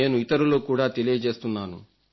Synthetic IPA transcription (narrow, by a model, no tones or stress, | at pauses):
e̞ːnuit̪ɐɾulo̞ːkuːɽaːt̪elijɐd͡ʒe̞ːst̪unːaːnṵ